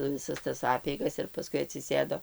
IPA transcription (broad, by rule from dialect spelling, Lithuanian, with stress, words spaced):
ʋʲɪˈsɐs tɐs ˈɑːpʲɛɪɡɐs ɪr pɐˈskʊɪ ɐtʲsʲɪˈsʲeːdoː